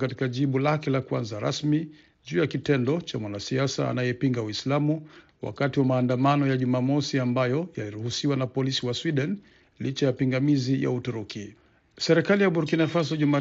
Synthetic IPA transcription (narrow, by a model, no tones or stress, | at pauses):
kati̥kaʄiɓulakɛlakuwanzaɾa̰smi | ʄuːjakitɛndɔt͡ʃamwanasiasa̰ːnajɛpiŋɡawislamu | wa̰katiwamaːndamanɔjaʄumaːmɔsiambajɔjaliɾuhusiwanapɔlisiwaswiɗɛn | lit͡ʃajapiŋɡamizija̰utuɾuki | sɛɾɛkalijaɓuɾukinafas̬ɔʄuma